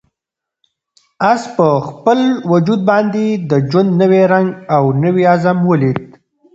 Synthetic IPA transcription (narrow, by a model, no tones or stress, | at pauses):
aspəxpəlwʊd͡ʒud̪̚bɑnd̪ed̪əd͡ʒwand̪nəweɾaŋɡawnəwiazamwəlid̪̚